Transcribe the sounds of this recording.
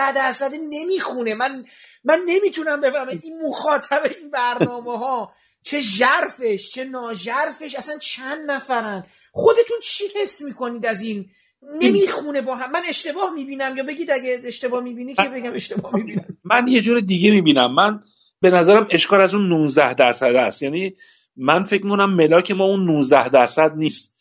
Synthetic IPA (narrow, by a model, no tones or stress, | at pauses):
æd̪æɾsæd̪ene̞miːxune̞mænmænːe̞miːt̪ʰunæmbe̞fæɾmæinmoxɒːt̪ʰæbe̞inbæɾnɒːmeɦɒː | t͡ʃʰe̞ʒæɾfe̞ʃt͡ʃʰe̞nɒːʒæɾfe̞ʃæsænt͡ʃʰænd̪næfæɾænd̪̥ | χxo̞d̪e̞t̪ʰunt͡ʃʰihe̞sːmiːko̞niːd̪æzinː | e̞miːxune̞bɒːɦæmːæne̞ʃt̪e̞bɒːhmiːbiːnæmjɒːbe̞ɟiːd̪æɟeeʃt̪e̞bɒːhmiːbiːnicebe̞ɟæme̞ʃt̪e̞bɒːhmibiːnæmænjed͡ʒuːɾed̪iɟemiːbiːnæmːæn | be̞næzæɾæme̞ʃkʰɒːlæzunːuːnzd̪æhd̪æɾsæd̪æst̪jæːniː | mænfec̚mikʰonæmːe̞lɒːcʰe̞mɒːunːunzd̪æhd̪æɾsæd̪niːst̪